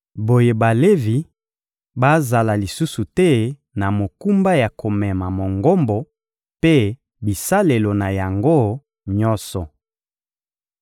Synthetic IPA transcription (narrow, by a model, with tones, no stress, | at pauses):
bo˨je˨ba˨le˦vi˨ | ba˦za˨la˨li˨su˦su˨tɛ˦ | na˨mo˨ku˦mba˦ja˨ko˨mɛ˨ma˨mo˨ŋɡo˦mbɔ˨ | pe˦ | bi˨sa˦le˨lo˨na˨ja˨ŋɡo˦ | ɲɔ˦sɔ˨